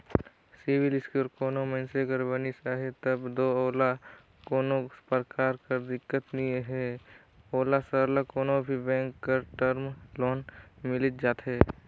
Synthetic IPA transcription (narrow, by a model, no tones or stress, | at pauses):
sɪbɪlɪskuɾkoːnomə̃nseɡəɾbənisaːɦet̪əbd̪oːoːla | koːnospəɾkaːɾkəɾd̪ɪkːət̪nieɦɛː | oːlasəɾlakoːnobʱibɛ̃ːŋkːəɾʈəɾmloːnmɪlɪt̪̚d͡ʒaːt̪ɦɛː